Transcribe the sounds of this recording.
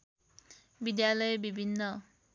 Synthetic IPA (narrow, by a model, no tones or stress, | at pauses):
bid̪jalʌjbibʱinːʌ